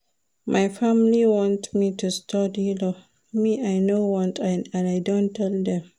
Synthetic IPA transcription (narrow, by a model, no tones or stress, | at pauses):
mʔajfamliwɔ̃ntmitustʰɔdilo | miajnowɔ̃ntãnãnajdõntʰːɛld̪ɛ̃m